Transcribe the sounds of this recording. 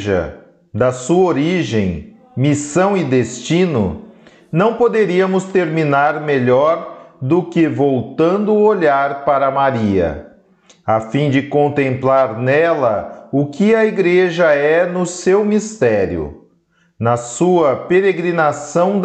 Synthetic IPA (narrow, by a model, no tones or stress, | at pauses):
ʒɐ̰ | d̪ɐsuɐoɾiʒẽj̃ | misɐ̃w̃ɪd̪est͡ʃĩnʊ̰ | nɐ̃w̃pod̪eɾiɐmʊst̪eɾminaɾmeʎɔɾd̪ʊkɪvowt̪ɐ̃nd̪ʊoʎaɾpaɾɐmaɾiɐ̰ | afĩd͡ʒɪkõnt̪ẽmplaɾnɛlɐʊkɪɐiɡɾeʒɐɛnʊsewmist̪ɛɾjʊ̰ | nɐsuɐpeɾeɡɾinasɐ̃w̪̃